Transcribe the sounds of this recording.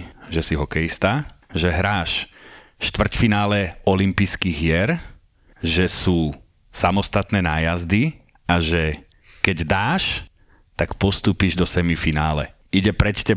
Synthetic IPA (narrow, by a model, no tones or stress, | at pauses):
ʒɛsiɦɔkɛjist̪aʒɛɦɾaːʃ | ʃt̪ʋr̩cfinaːlɛɔlimpiskiɣɪɛɾ | ʒɛsuː | samɔst̪at̪nɛːnaːjazd̪i | aʒɛ | kɛɟd̪aːʃ | t̪akpɔst̪uːpiʒd̪ɔsɛmifinaːlɛ | iɟɛpɾɛt͡ʃcɛ